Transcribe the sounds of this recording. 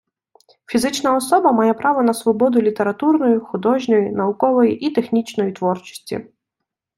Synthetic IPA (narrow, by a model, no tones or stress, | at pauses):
fʲizɪt͡ʃnɐɔsɔbɐmɑjɛpɾɑʋɔnɐsʋɔbɔd̪ʊlʲit̪eɾɐt̪urnɔjixʊd̪ɔʒnʲɔjinɐʊkɔʋɔjiʔit̪exnʲit͡ʃnɔjit̪ʋɔrt͡ʃɔ̥sʲtʲḭ